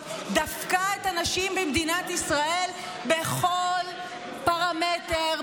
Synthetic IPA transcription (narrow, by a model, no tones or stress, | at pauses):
d̪afkaet̪anaʃimbemd̪inat̪isʁae̞l | beχol | paʁamete